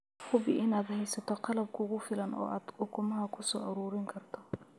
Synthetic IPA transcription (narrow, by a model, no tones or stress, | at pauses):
hʊbɪʔɪnaːd̪hɛjsɐt̪ʰɔqɑlɐb̚kʰʊʊɣʊfɪlɐnʔɔ̰ːʔaːd̪ʊkʰʊmɐɦɐkʰʊsɔːʔɐɾuːɾɪŋkʰɐrt̪ʰɔ